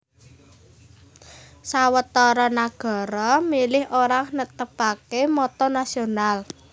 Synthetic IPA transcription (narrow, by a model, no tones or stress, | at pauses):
sawət̪ɔɾɔnaɡ̥ɔ̤ɾɔmilɪhʔoɾaŋnət̪əpakemɔt̪ɔnasional